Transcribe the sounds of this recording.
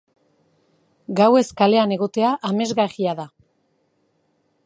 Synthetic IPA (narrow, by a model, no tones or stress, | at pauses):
ɡawe̞skale̞ane̞ɣo̞t̪e̞aʔame̞zɣariaða